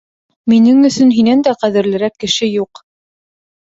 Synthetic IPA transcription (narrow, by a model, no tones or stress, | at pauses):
minɘŋɵ̆sɵnɦinænd̪æqæðɘ̆ɾlɘ̆ɾækːɘ̆ʃɘjuq